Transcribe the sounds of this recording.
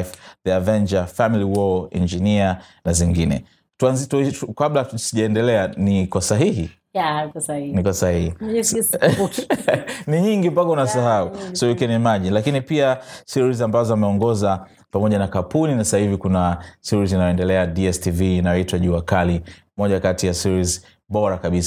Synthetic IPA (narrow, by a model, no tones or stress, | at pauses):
fðɛavɛnd͡ʒafamiliwɔlḭnd͡ʒinianaziŋɡinɛ̰ | tuanzitkablasiʄaɛndɛlɛanikwasaɦiɦi | nikwasahihi | niɲiŋɡimpakaunasaɦausɔukiɛnimaʄilakinipiasiɾizambazɔamɛɔŋɡɔza | pamɔʄanakapuninasahivikunasiɾizinajɔɛndɛlɛadiɛstiviːnajɔitwaʄuakali | mɔʄakatijasiɾiz | ɓɔɾakaɓisa